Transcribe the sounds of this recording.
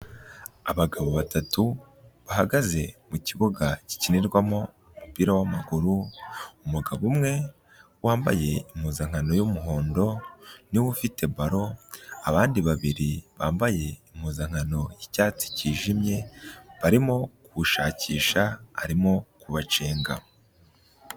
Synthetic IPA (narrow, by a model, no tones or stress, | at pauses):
aβaɡaβoβatatu | βaɦaɡaze̞muciβoɡaci̥ciniɾɡwamo̞ | umupiːɾawamaɡuɾuumuɡaβumŋe̞ | waːmba̰je̞imhuzaŋ̥hano̞jumuɦo̞ːndo̞niwufite̞baɾo̞aβaːndiβaβiɾiβaːmbaje̞im̥huzaŋ̥hano̞jicaːt͡si̥ciːʒimɲe̞βaɾimo̞kuβuʃaːciːʃaa̰ɾimo̞kuβat͡ʃe̞ːŋɡa̰